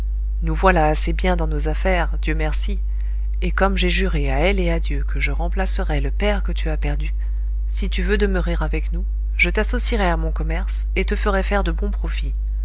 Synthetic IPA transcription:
nuvwalaːsebjɛ̃d̪ɑ̃nozafɛʁd̪jømɛʁsi | ekɔmʒeʒyʁeaɛlead̪jøkəʒəʁɑ̃plasəʁɛləpɛʁkət̪yapɛʁd̪y | sit̪yvød̪əməʁiʁavɛknu | ʒət̪asɔsiʁɛamɔ̃kɔmɛʁs | et̪əfəʁɛfɛʁd̪əbɔ̃pχɔfi

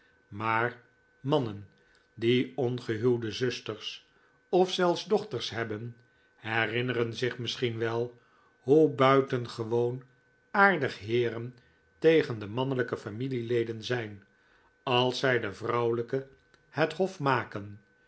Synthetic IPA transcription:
maːr | mɑnən | diɔnχəɦylˠdəzɵstəɹs | ɔfsɛlˠfzdɔχtəɹsɦɛbən | hɛrɪnərənzɪχmɪsχinʋɛlˠ | ɦubœɥtənχəʋown | aːɹdəχɦɪːɾən | tejχəndəmɑnələkəfamililejdənzɛjn | ɑlˠsɛjdəvrʌwləkə | hətɦɔfmaːkən

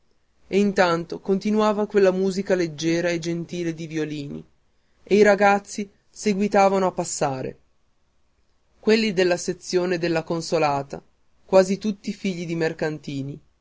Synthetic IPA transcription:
eint̪ant̪okont̪inuaːvakwelːamuːzikaled͡ʒːɛːɾaed͡ʒent̪iːled̪ivioliːnḭ | eiɾaɡat̪sːi | seɡwit̪aːvanoapːasːaːɾḛ | kwelːid̪elːaset̪sːjoːned̪elːakonsolaːt̪a | kwaːzit̪ut̪ːiːfiʎːid̪imerkant̪iːni

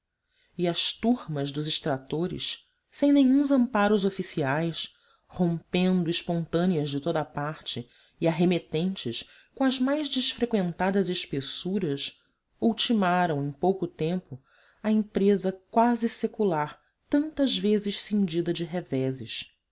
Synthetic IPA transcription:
ɪɐʃt̪uɾmɐzd̪ʊzɪʃt̪ɾat̪oɾɪ̰s | sẽj̃nẽjɲũzɐ̃mpaɾʊzofisiajs | hõmpẽnd̪ʊɪʃpõnt̪ɐ̃niɐzd͡ʒɪt̪od̪ɐapaɾt͡ʃɪ | ɪaɦemet̪ẽnt͡ʃɪʃ | kõɐzmajʒd͡ʒɪʃfɾekwẽnt̪ad̪ɐzɪʃpesuɾɐs | uwt͡ʃimaɾɐ̃w̃ẽj̃powkʊt̪ẽmpʊ | ɐẽmpɾezɐkwazɪsekulaɾ | t̪ɐ̃nt̪ɐzvezɪʃsĩnd͡ʒid̪ɐd͡ʒɪɦevɛzɪʃ

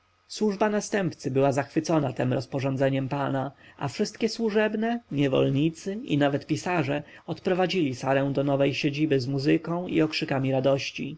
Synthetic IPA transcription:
swuʐbanast̪ɛmpt̪sɘbɘwazaxfɘt̪sɔnat̪ɛmɾɔspɔʐɔnd̪zɛɲɛmpanaʔa̰fʂɘst̪kʲɛswuʐɛbnɛɲɛvɔ̰lɲit̪sɘḭnavɛt̪pʲisaʐɛ | ɔt̪pɾɔvad͡ʑilʲisaɾɛ̃w̃d̪ɔnɔvɛjɕed͡ʑibɘzmuzɘkɔ̃w̃ḭɔkʂɘkamʲiɾad̪ɔɕt͡ɕḭ

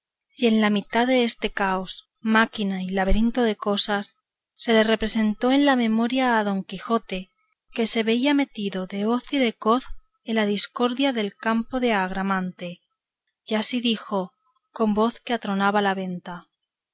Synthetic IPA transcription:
e̞nlamit̪aðe̞est̪ekaos | makinailaβeɾint̪o̞ðe̞ko̞sasː | e̞le̞re̞pɾe̞se̞nt̪o̞e̞nlame̞mo̞ɾjaːðo̞ŋkixo̞t̪e̞ | ke̞se̞βe̞iame̞t̪iðo̞ðe̞o̞θiðe̞ko̞θ | elaðisko̞ɾðjaðe̞lkampo̞ðe̞aɣ̞ɾamãnt̪e̞ | jasiðixo̞ | ko̞mbo̞θkeat̪ɾo̞naβalaβ̞e̞nt̪a

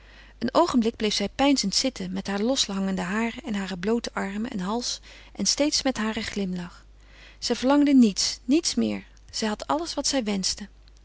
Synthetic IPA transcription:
ənowχəmblɪɡ̚blejfsɛjpɛjnzəntsɪtəmɛtɦaːɹlɔsɦɑŋəndəɦaːrəɛnɦaːrəblowtəʔɑɹməɛ̰nɦɑlˠs | ʔɛnstejtsmɛtɦaːrəχlɪmlɑχ | z̥ɛjvəɹlɑŋdənitsnitsmɪ̰ːɹ | z̥ɛjɦɑtʰɑləsʋɑtsɛjʋɛnsdə

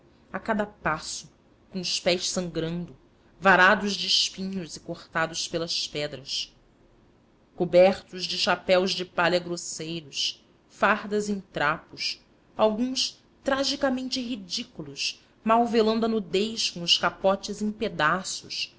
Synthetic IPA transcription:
akad̪ɐpasʊ | kõʊʃpɛjʃsɐ̃ŋɡɾɐ̃nd̪ʊ | vaɾad̪ʊʒd͡ʒɪːʃpĩɲʊzɪkoχt̪ad̪ʊspelɐʃspɛd̪ɾɐs | kobɛχt̪ʊzd͡ʒɪʃapɛwzd͡ʒɪpaʎɐɡɾosejɾʊs | fahd̪ɐzẽt̪ɾapʊs | awɡũs | t̪ɾaʒikamẽnt͡ʃɪɦid͡ʒikulʊʃ | mawvelɐ̃nd̪ɐnud̪ejʃkõʊʃkapɔt͡ʃɪzẽj̃ped̪asʊʃ

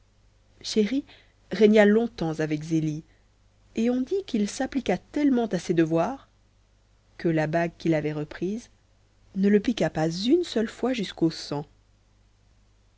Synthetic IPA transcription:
ʃeʁi | ʁɛɲalɔ̃t̪ɑ̃zavɛkzeli | eɔ̃d̪ikilsaplikat̪ɛlmɑ̃t̪ased̪əvwaːʁ | kəlabaɡ̚kʲilavɛʁəpχiːz | nələpikapazynsœlfwaʒyskosɑ̃

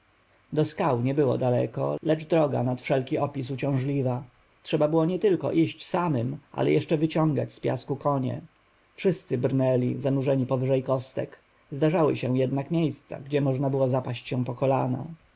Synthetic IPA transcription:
d̪ɔskawɲɛbɘwɔ̰d̪alɛ̰kɔ̰lɛd͡ʐd̪ɾɔɡa̰nat̪fʂɛlkʲiʔɔpʲisut͡ɕɔ̃w̃ʐlʲiva | tʂɛbabɘwɔɲɛt̪ɘlkɔ̰ʔiɕt͡ɕsamɘmʔa̰lɛ̰jɛʂt͡ʂɛvɘt͡ɕɔ̃ŋɡa̰t͡ɕspʲja̰skukɔɲɛ̰ | fʂɘst̪sɘbɾnɛlʲizanuʐɛɲipɔvɘʐɛjkɔst̪ɛ̰k | zd̪aʐawɘ̰ɕɛ̃jɛd̪nakmʲjejst̪sa̰ɡd͡ʑɛmɔʐnabɘwɔzapaɕt͡ɕɕɛ̃pɔkɔlana̰

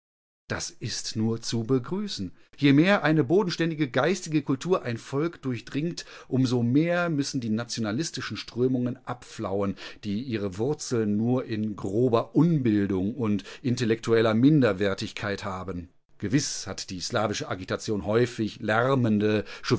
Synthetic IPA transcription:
d̥asʔɪstnuːɐt͡subəɡʁyːsn̩ | jeːmeːɐʔaɪnəboːdn̩ʃtɛndɪɡəɡaɪstɪɡəkʰʊltʰuːɐʔaɪnfɔlkd̥ʊɐçd̥ʁɪŋtʔʊmzomeːɐmʏsn̩diːnat͡sjonalɪstɪʃn̩ʃtʁ̥øːmʊŋənʔapfla̰ʊənd̥iːʔiːʁəvʊɐt͡sl̩nːuːɐʔɪnɡʁoːbɐʔʊnbɪldʊŋʊntʔɪntɛlɛk̚tʰuɛlɐmɪndɐvɛɐtɪçkʰaɪthaːbən | ɡ̥əvɪshatd̥iːslaːvɪʃəʔaɡitat͡sjoːnhɔʏfɪçlɛʁɐməndəʃʊ

